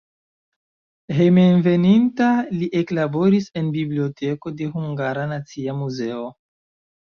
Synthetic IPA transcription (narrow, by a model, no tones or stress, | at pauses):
hemenve̞nintaliʔeklabo̞ɾise̞nbiblio̞tʰe̞ko̞de̞huŋɡaɾanat͡siamuze̞o̞